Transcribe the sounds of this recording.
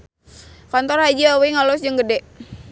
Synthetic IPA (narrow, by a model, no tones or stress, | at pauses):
kant̪ɔrhad͡ʒawiŋalɔsd͡ʒəŋɡədɛʔ